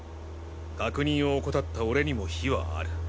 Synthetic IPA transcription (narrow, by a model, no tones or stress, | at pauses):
ɡ̥akɯ̟ɲ̟ĩɰ̃o̞ːkot̪at̪ːao̞ɾe̞ɲ̟imo̞çiβa̰a̰ɾɯ̟